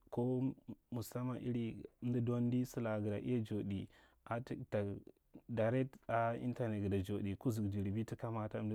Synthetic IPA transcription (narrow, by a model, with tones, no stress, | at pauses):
ko˦mu˨sa˦ma˨ʔi˦ɾi˦m˦di˦do˦n˦di˦su˦la˨ɡə˨da˨ʔḭ˦ja˦d͡ʒo˨ɗi˨ | a˨tta˨ | da˨ɾe˦ta˦ḭ˦nta˨ne˨tɡə˨da˨d͡ʒo˨di˨ku˦zu˨d͡ʒi˨ɾi˨bi˦ti˦ka˦ma˦ta˦